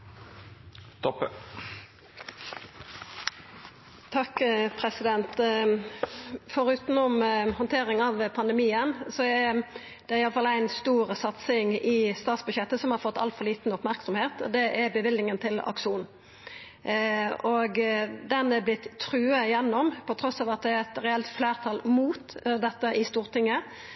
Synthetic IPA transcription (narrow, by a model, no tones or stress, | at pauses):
t̪ʰɔpə | t̪ʰɑkpʰɾɛsɪd̪ɛnt̪ | fɔɾʉːt̪ənɔmhɔnt̪ʰeːɾɪŋɑʋpʰɑnd̪əmiːənsɔæ | d̪̥ɛæɾɪɑləfɑlæɪnst̪uːɾsɑt̪sɪŋɪst̪ɑːt̪sbʉɕjɛt̪ːəsɔmhɑɾfɔt̪ːɑ̰lfɔɾliːt̪nɔpmæɾksɔmheːt̪d̪ɛʔæɾbəʋɪlːɪŋənt̪ʰɪlɑ̰kʂuːn | ɔɡd̪ɛnɛblɪt̪ʰːɾʉːəjɛnːɔmpʰɔt̪ʰɾɔsːɑːʋɑt̪̚d̪ɛæɾɛt̪ɾɛɛlt̪fleːʁt̪ʰɑːlmuːt̪d̪ɛt̪ːəʔɪst̪uːʁt̪ɪŋːə